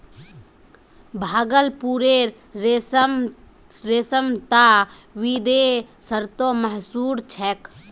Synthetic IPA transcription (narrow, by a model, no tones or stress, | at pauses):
bʱaːɡəlpuɾeɾ | esm | ɾesəmt̪a | ʋid̪esəɾt̪oməɦsuːɾt͡ʃʰɛk